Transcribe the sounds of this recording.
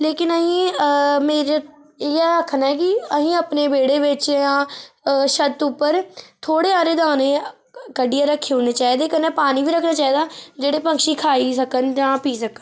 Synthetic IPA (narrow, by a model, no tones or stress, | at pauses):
leːkɪnəɦĩːmeːɾe | ɛəkʰːnaːɛːkɪəɦĩːəpneːbeːɽeːʋɪt͡ʃjãː | ʃət̪ʊpːəɾt̪ʰoːɽeːaːɾeːd̪aːneː | kəɖɪjãːɾəkʰːeːɦʊ̃ːneːt͡ʃaːid̪eːkənːẽːpaːniːʋiːɾəkʰnaːt͡ʃaːiːd̪aːd͡ʒeːɽeːpəŋkʃiːkʰaːisəkənd͡ʒãːpiːsəkən